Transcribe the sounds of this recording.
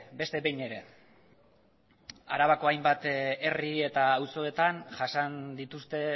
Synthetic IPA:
be̞st̪e̞βe̞jɲe̞ɾe̞ | aɾaβako̞ajmbat̪e̞rie̞t̪aːwso̞e̞t̪anʝasand̪it̪ust̪e̞

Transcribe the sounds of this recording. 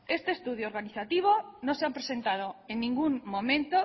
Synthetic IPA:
est̪eest̪uð̞jooɾɣaniθat̪iβ̞onõseampɾesent̪að̞oenːĩŋɡuŋmõmẽnt̪o

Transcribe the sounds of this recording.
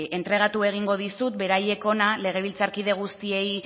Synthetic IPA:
e̞nt̪ɾe̞ɣ̞at̪ue̞ɣ̞iŋɡo̞ð̞isut̪̚be̞ɾaje̞ko̞nale̞ɣ̞e̞β̞ilt͡saɾkiðe̞ɣ̞ust̪ie̞j

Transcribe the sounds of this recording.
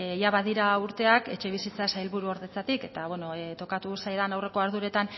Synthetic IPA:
jaβaðiɾauɾt̪e̞ake̞t͡ʃe̞β̞isit͡sasajlβuɾuo̞ɾðe̞t͡sat̪ike̞t̪aβweno̞t̪o̞kat̪usajðanawre̞ko̞aɾðuɾe̞t̪an

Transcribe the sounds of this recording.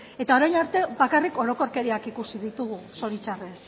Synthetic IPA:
e̞t̪ao̞ɾajnaɾt̪e̞βakariko̞ɾo̞ko̞ɾke̞ɾiakikusiðit̪uɣ̞uso̞ɾit͡ʃares

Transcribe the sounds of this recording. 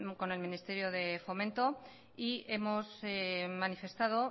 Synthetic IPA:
ko̞ne̞lmĩnist̪e̞ɾjo̞ðe̞fo̞mẽnt̪o̞ | ie̞mo̞semanife̞st̪aðo̞

